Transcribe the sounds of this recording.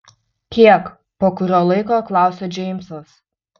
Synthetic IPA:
kʲiɛk | poːkʊɾʲoːlˠɐɪkoːklˠɑˑʊsʲoːd͡ʒʲɛɪmʲsos

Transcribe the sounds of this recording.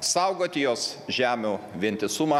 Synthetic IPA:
sɐʊɡoːt̪ʲɪjoːsʒʲæːmʲuːʋʲɪnʲt̪ʲɪsʊmɑ

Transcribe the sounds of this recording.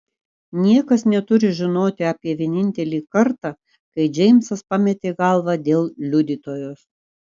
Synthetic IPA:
nʲiɛkɐsnʲɛt̪ʊɾʲɪʒʲɪnoːt̪ʲɪɑːpʲiɛʋʲiɛnʲɪnʲt̪ʲɛlʲiːkɐɾt̪ɑ | kɐɪd͡ʒʲɛɪmsɐspɑmʲɛt̪ʲeːɡɐlˠʋɑd̪ʲeːlˠlʲʊd̪ʲit̪oːjoːs

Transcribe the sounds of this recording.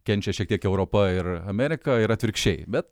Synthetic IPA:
kʲɛnʲt͡ʃʲɛʃʲiɛkt̪ʲiɛkɛʊɾoːpɐɪɾɐmʲɛɾʲɪkɐɪɾɐt̪ʲʋʲɪɾʲkʃʲt͡ʃʲɛɪbʲɛt̪

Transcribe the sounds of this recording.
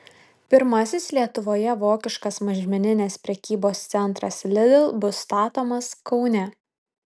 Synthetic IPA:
pʲɪɾmɐsʲɪslʲiɛt̪ʊʋoːjɛʋoːkʲɪʃkɐsmɐʒʲɪmʲɪnʲɪnʲeːspʲɾʲɛkʲiːboːst̪sʲɛnˑt̪ɾɐslʲɪd̪ʲɪlˠbʊst̪ɑːt̪oːmɐskɒʊnʲɛ

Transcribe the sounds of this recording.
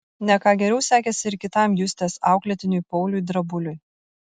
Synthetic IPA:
nʲɛkɑːɡʲɛɾʲɛʊsʲæːkʲɛsʲɪɪɾkʲɪt̪ɑmjʊsʲt̪ʲeːsɑˑʊklʲɛt̪ʲɪnʲʊjpɔʊlʲʊjd̪ɾɐbʊlʲʊj

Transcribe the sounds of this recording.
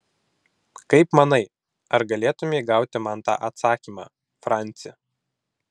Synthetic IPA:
kɐɪpmɐnɐɪ | ɐɾɡɐlʲeːt̪ʊmʲeːɡɑˑʊt̪ʲɪmɐnt̪ɑ̰ːʔɐt̪sɑːkʲiːmɑ̰ː | fɾɑˑnʲˑt̪sʲɪɛ

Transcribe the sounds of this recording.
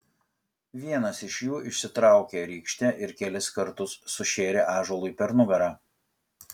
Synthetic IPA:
ʋʲiɛnɐsɪʃʲjuːɪʃʲsʲɪt̪ɾɑˑʊkʲeːɾʲiːkʃʲt̪ʲɛʔɪɾkʲɛlʲɪskɐɾt̪ʊsːʊʃʲeːɾʲeːʔɑːʒoɔlˠʊipʲɛɾnʊɡɐɾɑː

